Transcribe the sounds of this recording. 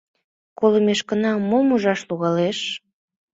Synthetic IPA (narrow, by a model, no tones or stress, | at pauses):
koləmeʃkənɑmomuʒɑʃluɣɑleʃ